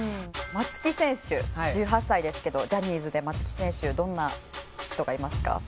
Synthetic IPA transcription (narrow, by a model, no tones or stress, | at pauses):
mat͡sɨ̥kʲisẽ̞ɰ̃ɕɨd͡ʑɨːɦasːaid̪e̞sɨ̥ke̞d̪o̞d͡ʑaɲ̟iːzɨd̪e̞mat͡sɨ̥kʲi̥sẽ̞ɰ̃ɕɨd̪õ̞nːaçi̥t̪o̞ɡaimasɨ̥ka̰